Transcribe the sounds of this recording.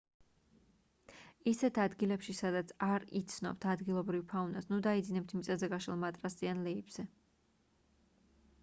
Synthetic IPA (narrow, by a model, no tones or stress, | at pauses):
isɛt̪ʰad̪ɡilɛpʃisad̪at̪sʰaɾḭt̪sʰnɔ̰b̚t̪ʰad̪ɡilˠɔbɾivpʰaunasnud̪aid̪zinɛp̚t̪ʰmit̪sʼɛzɛɡaʃɛlˠmat̪ʼɾasʼianlɛibz̥ɛ